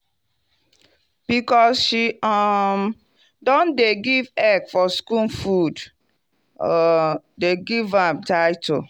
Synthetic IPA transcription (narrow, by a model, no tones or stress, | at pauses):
b̥ikɔsʃiɔm | dɔ̃ndeɡivɛɡfɔskũnfud | ɔ | deɡivãmtaɪtʰo